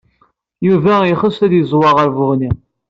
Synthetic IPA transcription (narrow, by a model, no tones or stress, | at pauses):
juvæjχəsæðjəzˤwɑʁəɾvʊʁni